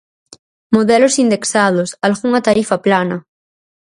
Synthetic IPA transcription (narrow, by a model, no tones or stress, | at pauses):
moðelosind̪eksað̞osalɣuŋat̪aɾifaplanɐ